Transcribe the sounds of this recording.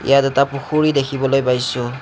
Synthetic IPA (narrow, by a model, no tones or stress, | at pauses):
ḭjatɛtapuxʰuɹidekʰibɔlojpajsʊ